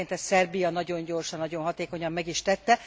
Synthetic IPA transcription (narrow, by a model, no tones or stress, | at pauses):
ent̪ɛssɛrbijɒnɒɟo̞ɲɟo̞rʃɒnːɒɟonɦɒt̪eːko̞ɲɒmːɛɡiʃt̪ɛt̪ːɛ